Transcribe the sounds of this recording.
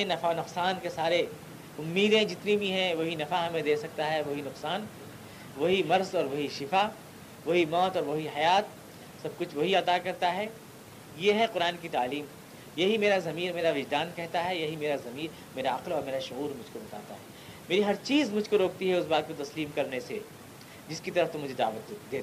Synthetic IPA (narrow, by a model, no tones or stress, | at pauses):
ẽnɐfanʊqsaːnkesaːɾe | ʊmːiːd̪ẽd͡ʒɪt̪nibʱiɦɛ̃ʋoɦinɐfaɦɐmẽd̪eːsɐk̚t̪aɦɛʋoɦinʊqsaːn | ʋɐɦimɐɾzɔːɾʋɐɦiʃɪfa | ʋɐɦimɔːt̪ɔːɾʋɐɦihɐjaːt̪̚ | sɐb̚kʊt͡ʃʰʋoɦiɐt̪akɐɾt̪aɦɛ | jeɦɛqʊɾaːnkit̪aːliːm | jɐɦimeːɾazɐmiːɾmeːɾaʋɪd͡ʒd̪aːnkɛɦt̪aɦɛjɐɦimeːɾazɐmiːɾ | meːɾaɐqlɔːɾmeːɾaʃʊɣuːɾmʊd͡ʒʱkobɐt̪a̰ːt̪a̰ɦɛː | meːɾiɦɐɾt͡ʃiːzmʊd͡ʒʱkoɾoːk̚t̪iɦɛʊsbaːt̪̚kot̪ɐsliːmkɐɾnese | d͡ʒɪskit̪ɐɾəft̪ʊ̃mʊd͡ʒʱed̪a̰ːʋət̪̚ːd̪eːt̪ː